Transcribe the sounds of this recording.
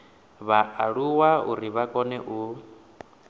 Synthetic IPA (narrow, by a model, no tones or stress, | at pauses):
βaʔaɺuwaṵɾiβakʼɔnɛʔu